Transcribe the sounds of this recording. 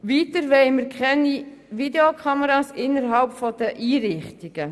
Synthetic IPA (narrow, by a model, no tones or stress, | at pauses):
ʋiːtəɾʋɛɪməɾkʰχɛni | ʋideokʰχɑməɾɑːsɪnːəɾɦɑlpfɔd̪̥əʔiːɾɪχt̪iɡ̥ə